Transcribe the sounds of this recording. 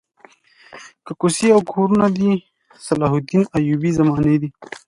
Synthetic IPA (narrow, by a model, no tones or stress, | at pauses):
kəkusiawkʰoːɾunad̪i | sɐlaɦud̪inajuːbizɐmaːned̪i